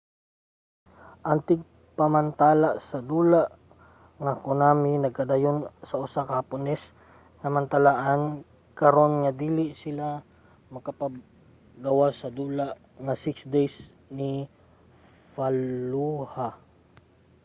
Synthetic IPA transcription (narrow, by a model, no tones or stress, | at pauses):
ʔɐnt̪ɪɡ̚ | pɐmɐnt̪aːlaʔsɐd̪uːlaʔ | ŋɐkʊnaːmɪnɐɡ̚kɐd̪ajonsɐʔʊsakɐpʊnɛs | ŋɐmɐnt̪ɐlaʔan | kɐɾo̞nŋɐd̪iːlɪsɪla | mɐkɐpɐɡ | ɡɐwasɐd̪uːlaʔ | ŋɐsɪksd̪ɛjs | ni | faluha